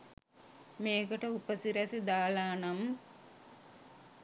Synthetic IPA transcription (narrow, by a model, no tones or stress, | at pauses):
meːɡɐʈəupɐsiɾɐsid̪aːlaːnɐm